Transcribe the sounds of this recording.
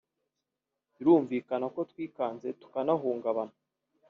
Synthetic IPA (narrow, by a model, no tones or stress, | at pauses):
iɾuːɱviːkanako̞twiːkaːnze̞tu̥kanaɦuːŋɡaβana